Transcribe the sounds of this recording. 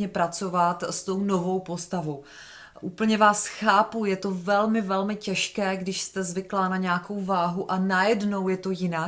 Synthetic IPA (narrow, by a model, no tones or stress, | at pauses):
ɲɛpɾat͡so̞vat̪st̪o̞wno̞vo̞wpo̞st̪avo̞w | ʔuːpl̩ɲɛvaːsxaːpujɛt̪o̞vɛlmɪvɛlmɪcɛʃkɛːɡdɪʃst̪ɛzvɪklaːnaɲɛako̞wvaːɦuʔanajɛdno̞wjɛt̪o̞jɪnaː